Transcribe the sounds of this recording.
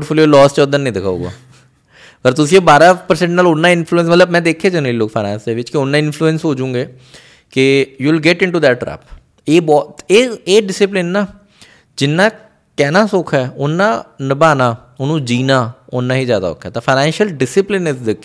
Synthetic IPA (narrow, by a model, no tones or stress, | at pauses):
ʈfʰoːlijoːlɔːst͡ʃʊd̪ənːĩːd̪ɪkʰa̰ːṵːɡa̰ː | pəɾt̪ʊsĩːõːbaːɾaːpəɾsɛ̃ɳʈnaːlʊnːãːɪnpʰluːə̃nsmət̪ləbmɛ̃ːd̪eːkʰːeːd͡ʒənəliːloːkpʰaːnɛ̃ːnsd̪eːʋɪt͡ʃkeʊnːãːɪnpʰluːə̃nsɦoːd͡ʒũːɡeː | kɪjuːlɡɛʈɪ̃ɳʈuːd̪ɛːʈ̚ːɾɛ̰ːp | eːbɔːt̪eːeːɖɪsɪp̬lɪnːaː | d͡ʒɪnːãː | kɛːnaːsʊkʰɛːʊnːãːnəbaːnaː | ʊnũːd͡ʒiːnaːʊnːãːɦiːzjaːd̪a̰ʊ̰kʰːɛːt̪ãːpʰaːnɛ̃ːnʃəlɖɪsɪplɪnɪzd̪ɪkʰː